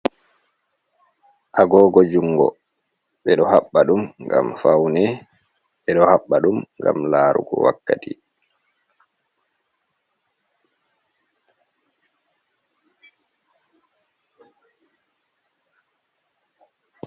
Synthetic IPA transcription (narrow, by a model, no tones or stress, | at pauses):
ʔaɡɔːɡɔd͡ʒuŋɡɔ̰ | ɓɛɗɔhaɓːaɗumŋɡa̰mfawnɛ | ɓɛɗɔhaɓːaɗumŋɡamlaːɾṵɡɔ̰wa̰kːati